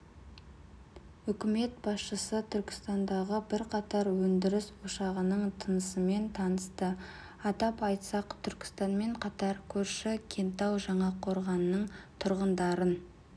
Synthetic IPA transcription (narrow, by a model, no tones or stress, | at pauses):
ʏkʲɪme̞t̪̚bɑsʃəsət̪ʰʏɾkʲɪ̥st̪ɑnd̪ɑʁəbɪɾqʰɑt̪ɑɾwɵnd̪ɪɾɪswoʃɑʁənəɴt̪ʰənəsəme̞nt̪ʰɑnəst̪ə | ɑt̪ɑpɑjt̪sɑqt̪ʰʏɾkʲɪ̥st̪ɑnme̞ɴqʰɑt̪ɑɾkʲʰɵɾʃɪkʲʰe̞nt̪ɑwʒɑɴɑqʰo̞ɾʁɑnːəɴt̪ʰʊɾʁənd̪ɑɾən